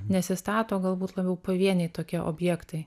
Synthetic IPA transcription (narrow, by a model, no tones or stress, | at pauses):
nʲɛsʲɪst̪ɑːt̪oːɡɐlˠbuːt̪lˠɐbʲɛʊpɐʋʲiɛnʲɛɪt̪oːkʲiɛʔo̰ːbʲjɛkt̪ɐɪ